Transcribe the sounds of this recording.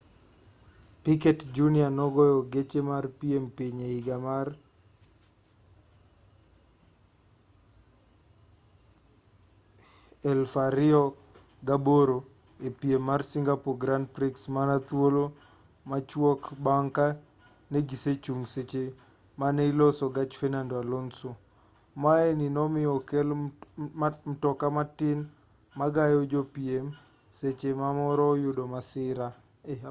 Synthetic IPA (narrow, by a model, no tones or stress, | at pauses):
pikɛtd͡ʒunɪanɔɡɔjɔɡet͡ʃemarpiempiɲeiɡamar | ɛlfaɾɪɔ | ɡaboɾo | epiemːarsiŋɡapoɡɾandpɾiksmanat̪wolo | mat͡ʃwɔkbaŋka | neɡiset͡ʃuŋset͡ʃe | maneilɔsɔɡat͡ʃfɛnandoalonso | maeninɔmɪɔkɛl | mtɔkamatɪn | maɡajɔd͡ʒopiem | set͡ʃemamɔɾɔjʊdomasɪɾa